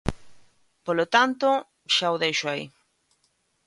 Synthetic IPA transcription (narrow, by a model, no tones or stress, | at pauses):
polot̪ant̪o | ʃaoðejʃoaḭ